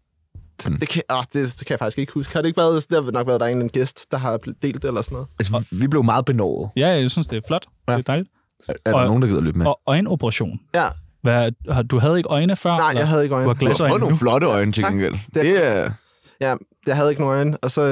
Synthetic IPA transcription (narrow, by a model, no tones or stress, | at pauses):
snd̥e̝kʰɒd̥e̝d̥ekʰæjfɑ̈ɡ̥isɡ̥e̝ɡ̥ə̥husɡ̥jhɑdɾeeɡ̥ʋæɐð̩ˠsd̥enɒ̽ɡ̥ʋæɐðˠd̥ɑe̝ːnlænɡ̥esd̥d̥ɑ̈ɦɑ̈d̥e̝̰ːld̥elɐsɔnːɔðˠælsʋib̥le̝ʊmɑ̈ːð̞̩ˠb̥e̝nɒ̰ʊːð̩ˠjæsyn̰sd̥e̝flɒ̽d̥ | eæd̥ɑ̈ɪlid̥ | æɐdɒoːn̩dɑ̈ɡið̰ˠɐlø̰ːb̥meɒɒ̽ɪno̝b̥ʰəʁɑɕo̝̰ːnjæʋæhɑd̥uɦæð̞ˠe̝ɡ̥ʔɒ̽ɪnəfɶɐ̰nɑ̈ɪ̰lɐjɑ̈ɪɦæðˠeɡ̥ɒɪnuhɑ̈ɡ̥læsɒnoːnunflɒ̽ɾəɒ̽ɪnət͡sʰelen̰ɡ̥ḛl̰d̥e̝e | jæ | jɑɦæð̞̩ˠeɡəno̝ːnɔ̽ɪnəɒ̽sɒ̽